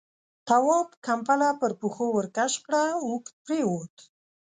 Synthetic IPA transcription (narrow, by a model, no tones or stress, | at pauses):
t̪awɔpkampalapəɾpuxowəɾkaʃpɽawuk̪̚pɾewot̪